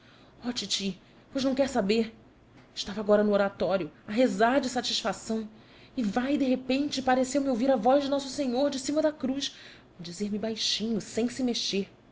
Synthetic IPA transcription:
ɔt͡ʃit͡ʃi | pojznɐ̃w̃kɛɾsabeɾ | ɪʃt̪avɐaɡɔɾɐnʊoɾat̪ɔɾjʊaɦezaɾd͡ʒɪsat͡ʃisfasɐ̃w̃ | ɪvajd̪eɦepẽnt͡ʃɪpaɾesewmɪowviɾɐvɔʒd͡ʒɪnɔsʊsẽɲoɾd͡ʒɪsĩmɐd̪akɾuʃ | d͡ʒizeɾmɪbajʃĩɲʊsẽj̃sɪmeʃeɾ

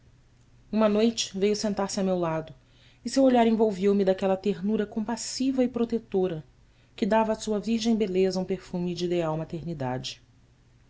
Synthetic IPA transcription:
ũmɐnojt͡ʃɪ̥vejʊsẽnt̪aɾsɪɐmewlad̪ʊ | ɪsewoʎaɾẽvowviwmɪd̪akɛlɐt̪eɾnuɾɐkõmpasivɐipɾot̪et̪oɾɐ | kɪd̪avɐːsuɐviɾʒẽj̃belezɐũpeɾfũmɪd͡ʒid̪eawmat̪eɾnid̪a̰d͡ʒɪ̥

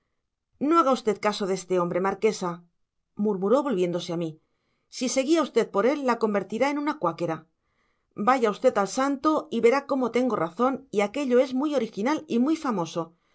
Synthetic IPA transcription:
no̞aɣaust̪e̞t̪kaso̞ðe̞st̪e̞o̞mbɾe̞maɾke̞sa | muɾmuɾo̞βo̞lβje̞nd̪o̞seami | sise̞ɣiaust̪e̞ð̚po̞ɾe̞lːako̞mbe̞ɾt̪iɾae̞nũnakwake̞ɾa | baʝaust̪e̞t̪alsant̪o̞iβe̞ɾako̞mo̞t̪e̞ŋɡo̞raθo̞niake̞ʎo̞e̞zmujo̞ɾixinalimujfamo̞so̞

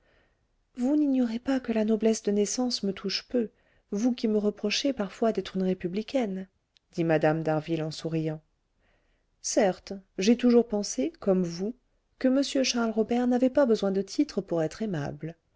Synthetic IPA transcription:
vuniɲjɔʁepakəlanɔblɛsd̪ənɛsɑ̃smət̪ʰuʃpø | vukʲiməʁəpχɔʃepaʁfwad̪ɛt̪χynʁepyblikʲɛn | d̪̥imad̪amd̪aʁvilɑ̃suʁijɑ̃ | sɛʁt̪ʒɛt̪uʒuʁpɑ̃sekɔmvu | kəməsjøʃaʁlʁɔbɛʁnavepabəzwɛ̃d̪ət̪ʰit̪χəpuʁɛt̪χema̰bl

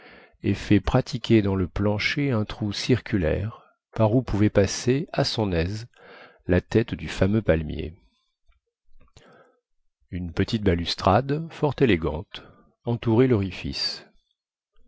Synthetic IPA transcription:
efɛpχat̪ʰikʲed̪ɑ̃ləplɑ̃ʃeɛ̃t̪χusiʁkʲylɛ̰ʁ | paʁupuvɛpaseasɔ̃nɛz | lat̪ɛt̪d̪yfamøpalmjḛ | ynpət̪it̪̚balyst̪χad̪fɔʁt̪eleɡɑ̰̃t̪ | ɑ̃t̪uʁelɔʁifḭs

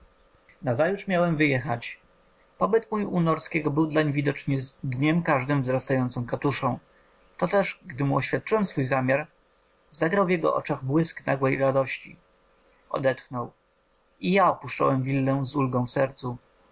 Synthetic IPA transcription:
nazajutʂmʲjawɛmvɘjɛxat͡ɕ | pɔbɘt̪mujunɔɾskʲɛɡɔbɘwd̪laɲvʲid̪ɔt͡ʂɲɛd̪ɲɛmkaʐd̪ɘmvzɾast̪ajɔnt̪sɔ̃w̃kat̪uʂɔ̃w̃ | t̪ɔt̪ɛʂɡd̪ɘmuɔɕfʲjat̪̚t͡ʂɨwɛmsfujzamʲjaɾ | zaɡɾawvjɛɡɔ̰ʔɔ̰t͡ʂaɣbwɘskna̰ɡwɛjɾad̪ɔɕt͡ɕḭ | ɔ̰d̪ɛt̪xnɔw | ijaɔpuʂt͡ʂɔ̰wɛmvʲilːɛ̃zulɡɔ̃w̃fsɛɾt̪su

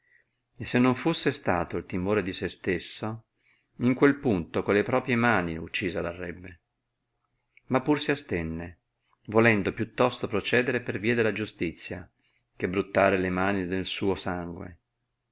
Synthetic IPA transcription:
esːenːoɱfusːest̪a̰ːt̪oilt̪imoːɾed̪isest̪esːo | iŋkwelpunt̪okolːepɾɔːpɾjemaːniṵt͡ʃːiːzad̪arːɛbːe | mapːursiast̪enːe | volɛnd̪opjut̪ːɔst̪opɾot͡ʃɛːd̪eɾeperviːad̪elːad͡ʒust̪it̪sːja̰ | kebɾut̪ːaːɾelemaːnid̪elsuːosaŋɡwḛ

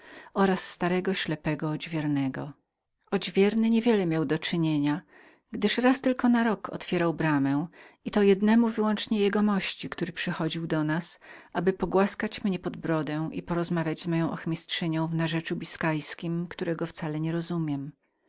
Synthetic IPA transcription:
ɔɾasːt̪aɾɛɡɔɕlɛpɛɡɔɔd͡ʑvʲjɛɾnɛɡɔ̰ | ɔd͡ʑvʲjɛɾnɘɲevʲjɛlɛmʲjawd̪ɔt͡ʂɘɲeɲa | ɡd̪ɘʂɾast̪ɘlkɔnaɾɔkʰɔ̰t̪fʲjɛɾawbɾamɛw | it̪ɔjɛd̪nɛmuvɘwɔnt͡ʂɲɛjɛɡɔmɔɕt͡ɕikt̪uɾɘpʂɘxɔd͡ʑiwd̪ɔnasʔabɘpɔɡwaskat͡ɕmɲɛpɔd̪bɾɔd̪ɛ̃wʔḭpɔɾɔzmavʲjad͡ʑzmɔjɔ̃w̃ʔɔxmʲistʂɘɲɔ̃w̃vnaʐɛt͡ʂubʲiskajskʲimkt̪uɾɛɡɔft̪salɛɲɛɾɔzumʲjɛm

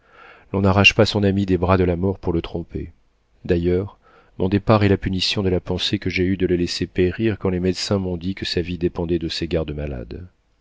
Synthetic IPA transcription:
lɔ̃naʁaʃpasɔ̃namid̪ebʁad̪əlamɔʁpuʁlət̪χɔ̃pḛ | d̪ajœʁ | mɔ̃d̪epaʁɛlapynisjɔ̃d̪əlapɑ̃sekəʒeyd̪ələlɛsepeʁiʁkɑ̃lemɛd̪sɛ̃mɔ̃d̪ikəsavid̪epɑ̃d̪ɛd̪əseɡaʁd̪əmala̰d̪

